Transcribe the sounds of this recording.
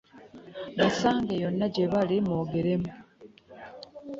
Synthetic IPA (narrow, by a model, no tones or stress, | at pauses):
βasaːŋɡejo̞nːaɟe̞βalimoːɡeɾe̞mu